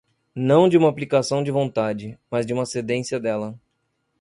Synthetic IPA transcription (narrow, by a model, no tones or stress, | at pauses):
nɐ̃w̃d͡ʒɪũmɐaːplikasɐ̃w̃d͡ʒɪvõnt̪ad͡ʒɪmɐzd͡ʒɪũmɐsed̪ẽsiɐd̪ɛlɐ